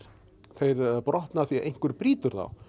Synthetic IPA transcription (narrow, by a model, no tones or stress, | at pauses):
θejɾpɾʔɔht̪naθiʔḛjŋ̥kʏɾpɾiːt̪ʏɾθa̰w